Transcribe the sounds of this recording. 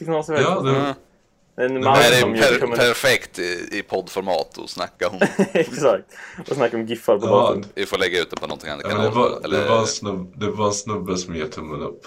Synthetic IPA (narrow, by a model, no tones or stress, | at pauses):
t̪ɪknɔsvɑːd̪ɛ | naæɾɛjæɾpʰæɾfɛkt̪ɪpʰɔd̪ːfɔɾmɑ̰ːt̪ʰɔ̰snakːaɔmɛksakt̪ɔsnakːaɔmɡɪfaɾpɔnɑvɪfoːɾlɛɡːaʉ̟ːt̪d̪ɛpʰɔnɔnt̪ʰɪŋa̰nd̪kkmnd̪ɛaɛld̪ːəɛaɛnsnbd̪ɛvaɛnsnɵbːəsɔmjat̪ʰʊmːənɵ̰pː